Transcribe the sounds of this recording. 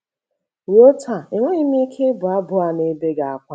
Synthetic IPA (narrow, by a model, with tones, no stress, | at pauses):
wi˨˦o˦tʰa˨e˨ŋʷo˦ɲi˦mi˦kʰe˦bʊ˨a˦bʊ˦a˨ne˦be˦ɡa˨a˦kʷa˦